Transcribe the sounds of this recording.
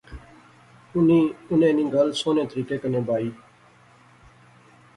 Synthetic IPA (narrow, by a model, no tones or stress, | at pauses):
niːʊnẽːnĩːɡəlsoːneːt̪əɾiːkeːkənẽːbʱaːiː